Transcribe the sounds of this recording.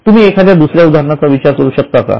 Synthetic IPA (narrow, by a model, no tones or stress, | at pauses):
t̪um̤iːekʰad̪jad̪usɾjaud̪ʱaɾəɳat͡saʋit͡ɕaɾkəɾuːɕək̚t̪aka̰